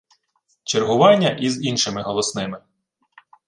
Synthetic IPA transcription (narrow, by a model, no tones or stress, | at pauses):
t͡ʃerɦʊʋɑnʲːɐʔizinʃɪmɪɦɔlˠɔsnɪmɪ